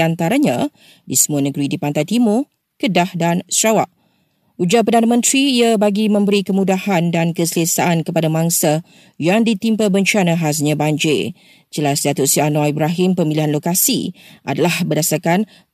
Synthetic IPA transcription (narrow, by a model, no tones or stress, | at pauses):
ant̪aɾaɲã | disəmuanəɡɾidipant̪ajt̪imʊr | kədahdansɾawaʔ | ud͡ʒapərdanamə̃nt̪ɾiːabaɡimə̃mbəɾikəmũdahandankəsəlasaʔankəpadamãŋsa | jaŋdit̪impəbəɲt͡ʃanãɦas̬ɲãbaɲd͡ʒḛ | d͡ʒəlasdat̪ʊʔsianoaibɾaɦɪmpəmiliɦanlokasḭʔa̰dalahbədasarkan